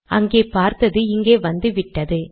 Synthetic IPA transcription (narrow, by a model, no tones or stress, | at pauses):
ʔɐŋɡeːpaːɾt̪ɐðɯɪŋɡeːʋɐnd̪ɯʋɪʈːɐðɯ